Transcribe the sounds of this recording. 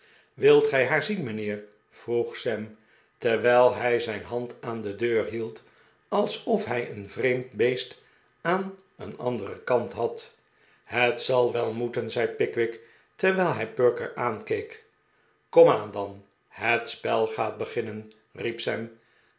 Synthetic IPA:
ʋɪlˠtχɛjɦaːɹzinmənɪːɹ | v̥ruχsɛm | tɛɹʋɛjlˠɦɛjzɛjnɦɑntaːndədøːɹɦilˠt | ɑlˠsɔfɦɛjənvrejmtbejst | aːn | ə̰nɑ̰ndərəkɑntɦɑt | hətsɑlˠʋɛlˠmutənzɛjt̚pɪkʋɪk | tɛɹʋɛjlˠɦɛjpøɹkə̰ɹaːnkejk | kɔmaːndɑn | ɦətspɛlˠχaːt̚bəχɪnən | ripsɛm

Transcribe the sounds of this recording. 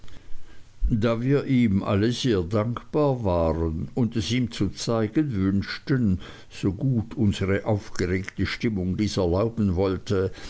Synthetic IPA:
daːviːɐʔiːmʔa̰ləzeːɐdaŋkb̥aːɐvaːʁənʊndɛsiːmt͡sut͡saɪɡənvʏnʃtən | z̥oːɡuːtʰʊnzəʁəʔaʊfɡ̥əʁeːktəʃtɪmʊŋdiːsɛɐlaʊbn̩vɔltʰə

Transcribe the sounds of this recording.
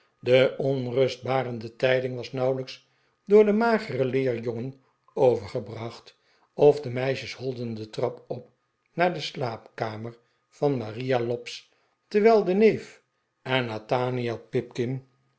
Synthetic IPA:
dəʔɔnrɵsd̚baːɾəndətɛjdɪŋʋɑsnɑwləks | dʊːɹdəmaːχərəlɪːɹjɔŋən | owvəɹχəbrɑχt | ɔfdəmɛjʃəshɔlˠdəndətrɑpɔp̚ | naːɹdəslaːpkaːməɹ | fɑnmarijalɔps | təɹʋɛlˠdənejf | ɛnataːniapɪp̚kɪn

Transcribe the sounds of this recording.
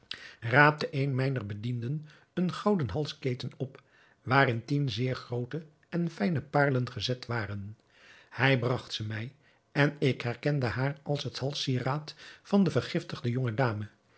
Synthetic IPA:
raːp̚təʔejnmɛjnərbədindən | ənχɑwdənɦɑlˠskejtənɔp | ʋaːrɪntinzɪːɹχrowtə | ɛnfɛjnəpaːɹlənχəzɛtʋaːrən | hɛjbrɑχtsəmɛj | ɛnɪkɦɛrkɛndəɦaːrʔɑlˠsɦəthɑlˠsiraːtfɑndəvərχɪftəʁdəjoŋədaːmə

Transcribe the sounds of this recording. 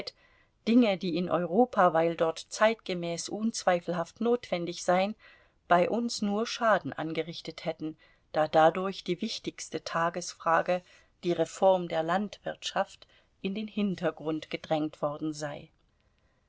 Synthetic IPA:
t | d̥ɪŋədiːɪnʔɔʏʁoːpʰavaɪldɔɐtt͡saɪtɡ̥əmɛːsʔuːnt͡sv̥aɪfl̩ɦaftnoːtv̥ɛndɪçz̥aɪən | b̥aɪʔʊnsnuːɐʃaːdn̩ʔa̰nɡəʁɪçtəthɛtn̩ | d̥aːdadʊɐçd̥iːvɪçtɪçstətʰaːɡəsfʁ̥aːɡə | d̥iːʁefɔɐmdeːɐlantv̥ɪɐtʃaft | ʔɪndeːnhɪntɐɡʁʊntɡ̥ədʁɛŋtv̥ɔɐdn̩zaɪ

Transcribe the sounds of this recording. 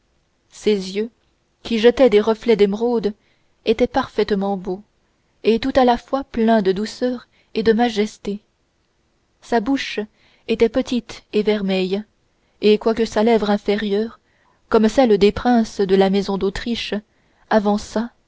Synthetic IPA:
sezjø | kʲiʒət̪ɛd̪eʁəflɛd̪emʁod̪ | et̪ɛpaʁfɛt̪mɑ̃bo | et̪ut̪alafwaplɛ̃d̪əd̪usœːʁ | ed̪əmaʒɛst̪e | sabuʃ | et̪ɛpət̪it̪evɛʁmɛj | ekwakəsalɛvʁɛ̃feʁjœːʁ | kɔmsɛld̪epχɛ̃sd̪əlamɛzɔ̃d̪ot̪χiʃ | avɑ̃sa

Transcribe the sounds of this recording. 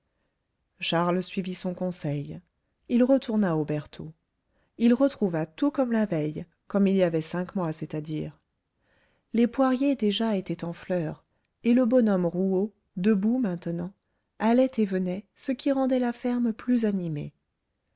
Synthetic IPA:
ʃaʁlsɥivisɔ̃kɔ̃sɛj | ilʁət̪ʰuʁnaobɛʁt̪ʰo | ilʁət̪χuvat̪ukɔmlavɛj | kɔmilijavɛsɛ̃kmwasɛt̪ad̪iːʁ | lepwaʁjed̪eʒaet̪ɛt̪ɑ̃flœːʁ | eləbɔnɔmʁuo | d̪əbumɛ̃t̪nɑ̃ | alɛt̪evənɛsəkʲiʁɑ̃d̪ɛlafɛʁmplyzanimḛ

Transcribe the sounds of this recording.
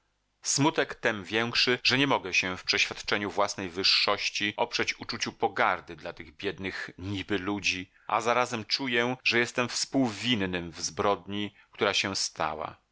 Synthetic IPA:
smut̪ɛkt̪ɛmvʲjɛŋkʂɘʐɛɲɛmɔɡɛɕɛfpʂɛɕfʲjat̪t͡ʂɛɲuvwasnɛjvɘʂːɔɕt͡ɕiʔɔpʂɛt͡ɕut͡ʂut͡ɕupɔɡaɾd̪ɘd̪lat̪ɘɣbʲjɛd̪nɘxɲibɘlud͡ʑi | ʔa̰zaɾazɛmt͡ʂujɛʐɛjɛst̪ɛmfspuwvʲinnɘmvzbɾɔd̪ɲi | kt̪uɾaɕɛst̪a̰wa̰

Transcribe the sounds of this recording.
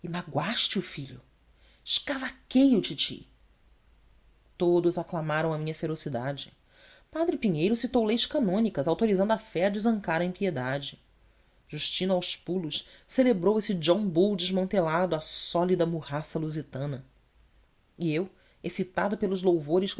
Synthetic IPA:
imaɡwaʃt͡ʃɪʊfiʎʊ̰ | ʃkavakejʊt͡ʃit͡ʃḭ | t̪od̪ʊzaklamaɾɐ̃w̃ɐmĩɲɐfeɾosid̪ad͡ʒɪ | pad̪ɾɪpiɲejɾʊsit̪owlejʃkanõnikɐzawt̪oɾizɐ̃nd̪ʊɐfɛɐd͡ʒɪzɐ̃ŋkaɾɐẽpied̪ad͡ʒɪ | ʒ̥uʃt͡ʃĩnʊawʃpulʊʃselebɾowesɪd͡ʒõŋbowd͡ʒɪʒmɐ̃nt̪elad̪ʊɐsɔlid̪ɐmuhasɐluzit̪ɐ̃nɐ | iew | esit̪ad̪ʊpelʊzlowvoɾɪʃ

